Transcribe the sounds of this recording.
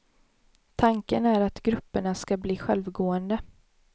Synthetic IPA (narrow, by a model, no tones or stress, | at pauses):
t̪ʰaŋkənæɾat̪ɡɾɵpːəɳaskabliːɧɛlvɡoːənd̪ə